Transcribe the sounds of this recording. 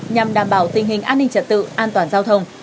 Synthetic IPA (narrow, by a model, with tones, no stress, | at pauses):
ɲa˨˩mɗaː˨˩mɓaː˨˩wt̪ï˨˩ŋ̟ɦï˨˩ŋ̟ʔaː˧nːï˧ŋ̟t͡ɕə̰˧˨nt̪ɨ̰˧˨ʔaː˧nt̪waː˨˩nzaː˧wt̪ʰə˧wŋ͡m